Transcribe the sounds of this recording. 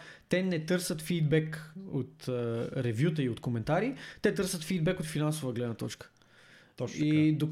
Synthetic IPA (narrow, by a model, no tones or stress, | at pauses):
t̪ɛnɛt̪ɤɾsət̪fid̪bɛkot̪əɾɛvjut̪̬əiot̪komɛnt̪aɾit̪ɛt̪ɤɾsət̪fid̪̚bɛkot̪finansʊvəɡlɛd̪nət̪ɔt͡ʃkə̥ | id̪o